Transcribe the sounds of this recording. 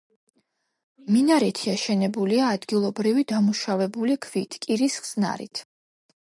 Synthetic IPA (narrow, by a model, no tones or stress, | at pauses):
minaɾɛt̪ʰiaʃɛnɛbuliaːd̪ɡilˠɔbɾivid̪amuʃavɛbulikʰv̥it̪ʰkʼiɾisχz̥na̰ɾḭt̪ʰ